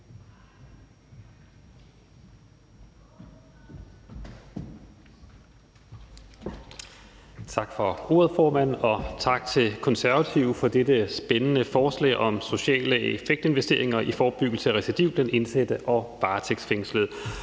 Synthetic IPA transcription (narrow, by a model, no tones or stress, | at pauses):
t͡sʰɑ̈ɡ̥fɒ̽o̝ɐð̞̩ˠfɒːmæn̰ɒ̽t͡sʰɑ̈ɡ̥t͡sʰe̝lkʰɒ̽nsæɐʋæt͡sʰiʊ̰fɒ̽d̥edəsb̥enənəfɒːslɛ̰ːɪʔɒ̽mso̝ɕɛ̰ːləefeɡ̥̚d̥e̝nʋesd̥e̝ɐe̝ŋɐʔifɒːb̥yɡ̥l̩səʁɛsid̥iʊ̰b̥læne̝nsed̥əʔɒ̽ʋɑ̈ːt͡sʰeɡ̥sfeŋsləð̩ˠ